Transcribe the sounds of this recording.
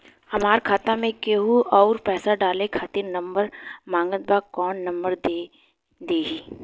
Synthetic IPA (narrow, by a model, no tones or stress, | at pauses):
hɐmaːɾkʰaːt̪amẽkeɦuɔːɾpɛːsaɖaːlekʰaːt̪iɾnɐ̃mbəɾmãːŋɡət̪̚baːkɔːnːɐ̃mbəɾd̪e | d̪eːɡiː